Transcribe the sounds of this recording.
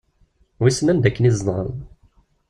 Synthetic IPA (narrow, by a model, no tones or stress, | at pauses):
wisnænd̪ækːənizˤnɑn